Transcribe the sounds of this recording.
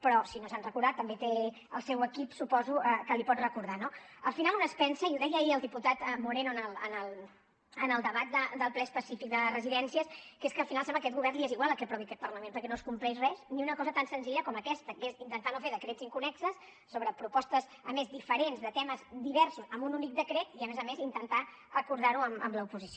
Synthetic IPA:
pɾɔsinosanrəkuɾðat̪ːəmbet̪e | əlˠsɛwəkipsupɔzuəkəlipɔt̪rəkuɾðano | əlˠfinalˠunəspɛnsəiuðɛjəiəlˠd̪iput̪at̪muɾenuənəlˠənəlˠ | ənəlˠd̪əβat̪̚d̪əd̪əlˠplɛəspəsifik̚d̪əərəziðɛnsiəskeskəːlˠfinalˠsɛmbləkɛt̪ɡuβɛrnd̪ieziɣwalˠəkɛpɾɔβiəkɛt̪pərləmẽnpəɾkɛnoskumplɛzrɛzniunəkɔzət̪ansənziʎəkɔməkɛst̪əkezint̪ənt̪anufeɾðəkɾetziŋkunɛksəs | soβɾəpɾupɔst̪əz | əmezd̪ifəɾenzðət̪ɛməzd̪iβɛɾsuzəmununik̚d̪əkɾet̪iəmezəmezint̪ənt̪a | rəkuɾð̞aɾuəmə̰mləupuzisio

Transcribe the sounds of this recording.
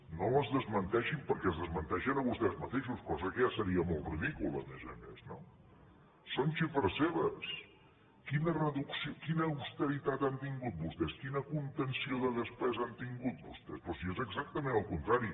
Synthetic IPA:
noəzðəzmənt̪ɛʃimpəɾkɛəzðəzmənt̪ɛʃənəβust̪ɛzmət̪eʃuskɔzəkəjasəɾiəmɔlˠt̪riðikulˠə̰mḛzə̰mḛzno | sonʃifəɾseβəs | kinərəðuksiokinəuwst̪əɾit̪at̪ant̪iŋɡut̪̚bust̪ɛskinəkunt̪ənsioðəðəspɛzant̪iŋɡut̪̚bṵst̪ɛ̰spɾɔsiezəɡzak̚t̪əmẽnəlˠkunt̪ɾaɾi

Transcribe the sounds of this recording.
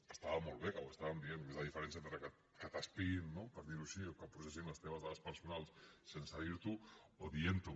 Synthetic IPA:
əst̪aβamolˠβekawəst̪aβambienmezðaðifəɾensjent̪ɾəka | kat̪aspinːopəɾðiɾusiokapɾusesinləst̪eβ̞azðaðəspəɾsunalˠssensaðiɾt̪uoðient̪u

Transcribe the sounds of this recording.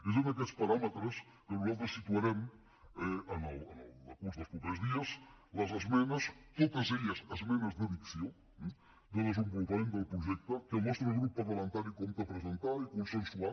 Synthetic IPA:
is̬õnd̪ɐk̬ɛt̪spɐɾamət̪ɾəs | kənuzalˠt̪ɾesit̪uɐɾɛm | ɛənələnəlˠəkuzðəlˠspupezðiɐs | lɐzɐzmenɐst̪ot̪ɐzeʎɐsɐzmenɐzðəðiksjo | d̪əðəzəmbulˠkɐmend̪əlˠpɾuʒɛk̚t̪okəlnɔst̪ɾoɣɾupɐβolˠɐnt̪aɾikomt̪ɐpɾəzənt̪aɾikunsənsua

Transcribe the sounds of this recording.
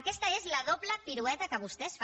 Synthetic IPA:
kest̪aezlaðoβlapiɾuet̪akaβ̞ust̪esf

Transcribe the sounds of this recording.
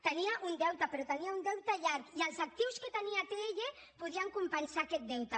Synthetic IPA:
t̪əniaʔund̪ɛwt̪apɾot̪əniaund̪ɛwt̪aʎaɾkialˠzak̚t̪iwsket̪əniat̪eeʎe | puð̞iaŋkumpənsakɛt̪̚d̪ɛwt̪a

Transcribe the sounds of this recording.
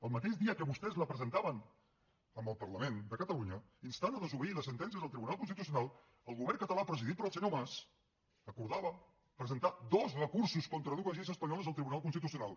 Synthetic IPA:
əlˠmət̪eʒðiəkəβust̪ɛzləpɾəzənt̪aβən | əmbəlˠpəɾləmend̪əkət̪əluɲəinst̪anəðəzuβəiləsːənt̪ɛnsiəzðəlˠt̪ɾiβunalˠkunst̪it̪us̬iunalˠ | əlˠɣuβɛrnŋkət̪əlapɾəziðit̪̚pɾəlˠsəɲomas | əkuɾðaβə | pɾəzənt̪ad̪ɔzrəkuɾsuskɔnt̪ɾəðuəʒizəspəɲɔləzðəlˠt̪ɾiβunalˠkunst̪it̪̬usiunalˠ

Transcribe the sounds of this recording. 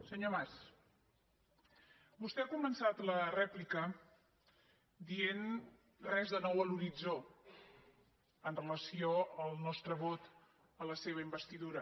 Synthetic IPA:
səɲomas | bust̪ɛakumənsat̪lərɛplikə | d̪ien | rɛzðənɔwəluɾid͡zo | ənrələsioəlˠnɔst̪ɾəβot̪ | ələseβəimbəst̪iðuɾə

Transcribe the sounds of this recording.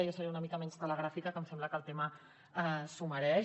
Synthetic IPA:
əjasəɾeunəmikəmɛnzt̪ələɣ̞ɾafikəkəmsɛmbləkəlˠt̪emə | əsuməɾɛʃ

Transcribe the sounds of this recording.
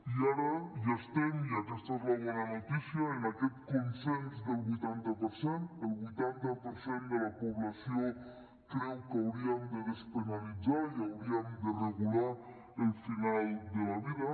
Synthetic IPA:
iaɾaʒast̪emiakɛst̪aezlaβɔnanut̪isjaenakɛt̪kunsɛnzd̪əlˠβujt̪ant̪apəɾsent̪əlˠβujt̪ant̪apəɾsend̪əlapuβlasijo | kɾɛwkawɾiəmd̪əðəspənalid͡zaiawɾiəmd̪əreɣula | əlˠfinalˠd̪əlaβiðɐ

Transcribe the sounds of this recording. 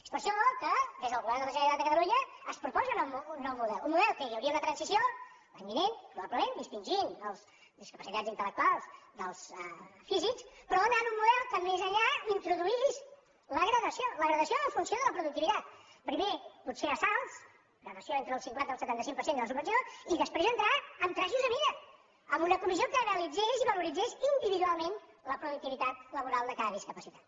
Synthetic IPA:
e̥spəɾʃɔkəd̪ezðəlˠɣuβɛɾmd̪əməʒəɾit̪at̪d̪əkət̪əluɲəːspɾupɔzənunːɔwmuðɛlummuðɛlˠkəjəwɾiəunət̪ɾənsisijo | laɲbinenpɾuβabləmend̪ist̪inʲʒinəlˠs | d̪iskəpəsit̪ad͡zint̪ələk̚t̪ualˠsd̪əlˠsəfizikspəɾɔənanunmːuðɛlˠkəmezəʎaint̪ɾuðuiliz | ləɣɾəðəsjoləɣɾəðəsioəɱfunsioðələpɾuðuk̚t̪iβit̪at̪̚pɾimeput̪seəsalˠs | ɣɾəðəsioent̪ɾəːlˠsiŋkwant̪əlˠsət̪ant̪əsiŋpəɾsend̪ələs̬uβbənsijoiðəspɾezənt̪ɾaəmt̪ɾaʒuzəβiðə | əmunəkumizijokəneəlid͡zeʃiβəluɾid͡zeʃind̪iβiðualˠmenləpɾuðuk̚t̪iβit̪at̪ləβuɾalˠd̪əkaðəðiskəpəsit̪at̪

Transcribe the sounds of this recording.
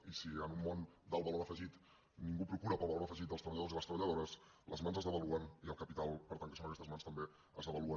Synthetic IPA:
isiənumːond̪əlˠβəloɾəfəʒit̪ | niŋɡupɾukuɾəpəlˠβəloɾəfəʒit̪̚əlˠst̪əβəʎəðoziləst̪ɾəβəʎəðoɾəs | ləzmanzəzðəβəluəniəlˠkəpit̪alˠpəɾt̪aŋkəsonəkɛst̪əzmanst̪əmbe | əzðəβəluən

